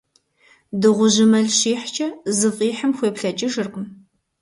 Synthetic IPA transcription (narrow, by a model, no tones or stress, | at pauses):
dɨʁʷʊʑɪmɐɮɕiːħt͡ʃʰʼɐzɨfʼiːħəmxʷeːpɬɐt͡ʃʼiʂɨrqəm